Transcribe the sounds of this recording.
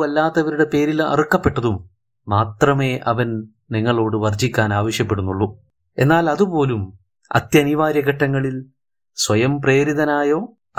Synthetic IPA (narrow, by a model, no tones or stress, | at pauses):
ɐlːaːt̪ːɐʋɐɾuɽe̞pe̞ːɾilɐ̰rukːɐpːe̞ʈːɐðumː | aːt̪rɐme̞ːʔɐʋɐn | niŋːɐɭo̞ːɽɨʋɐrd͡ʑikʲːaːnaːʋɐʂjɐpːe̞ɽunːuɭːu | e̞nːaːlɐðupo̞ːlum | ɐ̰t̪jɐniʋaːɾjɐɣɐʈːɐŋːɐɭil | sʋɐjɐmpre̞ːɾiðɐnaːjo̞ː